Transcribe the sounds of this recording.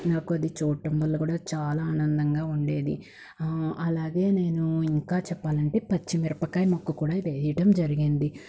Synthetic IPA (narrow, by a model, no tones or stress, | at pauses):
naːkuɐd̪it͡ʃɔːʈːɐmʋɐlːɐkuːɽaːt͡ʃaːlaːaːnɐnd̪ɐŋɡaːuɳɖe̞ːd̪ḭ | ɐlaːɡe̞ːne̞ːnuiŋkaːt͡ʃɛpːaːlɐɳʈe̞ːpɐt͡ʃːimiɾɐpɐkːaːjmɐkːukuːɽaːiʋe̞ːjɐʈɐmd͡ʒɐɾiɡind̪i